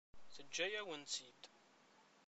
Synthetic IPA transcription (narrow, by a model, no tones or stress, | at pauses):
θəd͡ʒːæjæwənt͡sid̪